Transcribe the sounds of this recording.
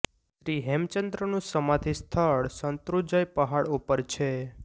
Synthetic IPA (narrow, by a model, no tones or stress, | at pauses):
ʃɾiɦɛmt͡ʃənd̪ɾənũsəmat̪ʰist̪ʰəɭsənt̪ɾud͡ʒajpəɦaɭupəɾt͡ʃʰe